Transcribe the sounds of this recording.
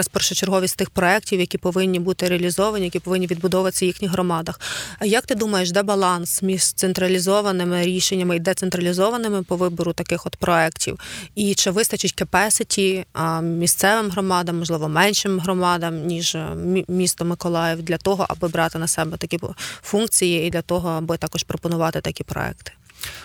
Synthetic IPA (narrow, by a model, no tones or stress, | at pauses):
ɐspɛrʃɛt͡ʃerɦɔʋʲisʲt̪ɪxpɾɔɛk̚tʲiwjɐkʲipɔʋɪnʲːibut̪ɪɾeɐlʲizɔʋɐnʲijɐkʲipɔʋɪnʲːiʋʲid̪bʊd̪ɔʋɐt̪ɪ̥sʲɐjixnʲixɦɾɔmɑd̪ɐxjɐk̚t̪ɪd̪umɐjeʃd̪ɛbɐlˠɑnsmʲiʒt̪sent̪ɾɐlʲizɔʋɐnɪmɪɾʲiʃenʲːɐmɪid̪ɛt̪sent̪ɾɐlʲizɔʋɐnɪmɪpɔʋɪbɔɾʊt̪ɐkɪxɔd̪pɾʔɔɛktʲḭwit͡ʃɛʋɪst̪ɐt͡ʃɪtʲkepɛsɪtʲi | mʲist̪sɛʋɪmɦɾɔmɑd̪ɐmːɔʒlˠɪʋɔmɛnʲʃɪmɦɾɔmɑd̪ɐmnʲiʒmʲist̪ɔmɪkɔlˠɑjɛwd̪lʲɐt̪ɔɦɔ̰ʔɐ̰bɪbɾɑt̪ɪnɐsɛbɛt̪ɐkʲifunk̚t͡sʲijiːd̪lʲɐt̪ɔɦɔɐbɪt̪ɑkɔʃpɾɔpɔnʊʋɑt̪ɪt̪ɐkʲipɾɔ̰ɛ̰kt̪ɪ̥